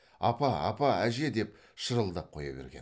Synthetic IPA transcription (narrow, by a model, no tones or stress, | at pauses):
ɑ̰pɑɑ̰pɑæʒe̞d̪e̞p | ʃəɾəlˠd̪əp̚qʰo̞̰jɑbeɾɡʲe̞n